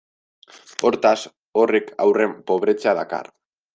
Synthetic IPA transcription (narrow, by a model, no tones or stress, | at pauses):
oɾt̪as | o̞rekʰawre̞mpo̞βɾe̞t͡saðaka̰r